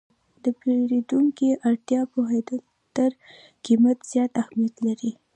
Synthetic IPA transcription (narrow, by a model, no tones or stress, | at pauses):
d̪əpeɾed̪uŋkiʔaɾt̪jɑpoɦed̪ə | t̪əɾ | kimat̪z̥jɑt̪ahmijat̪laɾi